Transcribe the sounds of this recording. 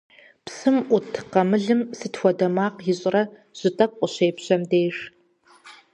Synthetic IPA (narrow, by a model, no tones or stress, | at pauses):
psɨmʔʷʊtʰqɐmɨɮɨmsɨtxʷɔdɐmaːqjɪɕʼɪrɐ | ʑ̥ʼɪtʼɐk̚ʼʷʊɕeːpɕɐmdeːɕ